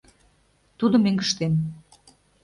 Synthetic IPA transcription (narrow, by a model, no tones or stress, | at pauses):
t̪ud̪ə̆meŋɡəʃt̪en